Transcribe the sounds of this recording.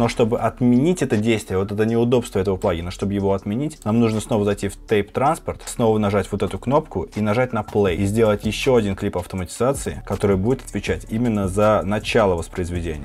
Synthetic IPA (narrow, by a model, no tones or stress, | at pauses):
no̞ʂt̪o̞bɨʔɐt̪mʲɪnʲitʲɛt̪ədʲejst̪vʲɪjəvo̞t̪ɛt̪ənʲɪʊd̪o̞pst̪vəɛt̪əvəplˠaɡʲɪnoʂt̪o̞bɨjɪvo̞ɐt̪mʲɪnʲitʲnamnuʐnəsno̞vəzɐjtʲift̪ejpt̪ɾanspərt̪sno̞vənɐʐatʲvot̪ɛt̪ʊkno̞pkʊinɐʐatʲnɐplˠejzʲdʲelˠətʲjɪɕːo̞ɐdʲinklʲipɐft̪əmətʲɪ̥zat̪sɨɪkɐt̪o̞ɾɨjəbudʲɪt̪ɐ̥t̪vʲɪt͡ɕætʲimʲɪnːəzənɐt͡ɕalˠəvəspɾəɪzvʲɪdʲenʲɪjə